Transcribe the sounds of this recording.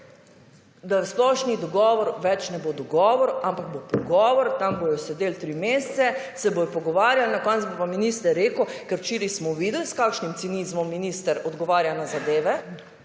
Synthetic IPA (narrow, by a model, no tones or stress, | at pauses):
d̪asplɔʃnid̪ɔɡɔːʋɔɾʋɛt͡ʃnɛbod̪ɔɡɔːʋɔɾampaɡ̚bopɔɡɔːʋɔɾt̪ambojɔsɛd̪eːlt̪ɾimeːst̪sɛsɛbojɔpɔɡɔʋaːɾjalnakɔnt̪zbopaminist̪əɾːeːkwkɛɾwt͡ʃiːɾismɔʋiːd̪lskakʃnimt̪siniːzmɔmːiniːst̪əɾɔd̪ɡɔʋaːɾjanazad̪eːʋɛ